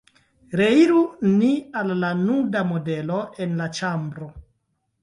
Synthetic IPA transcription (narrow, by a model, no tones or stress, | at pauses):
ɾeiɾunialːanudamode̞loenlat͡ʃambɾo